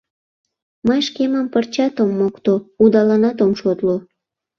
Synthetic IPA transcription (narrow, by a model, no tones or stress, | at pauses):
məjʃkeməmpərt͡ɕɑt̪omːokt̪oud̪ɑlɑnɑt̪omʃot̪lo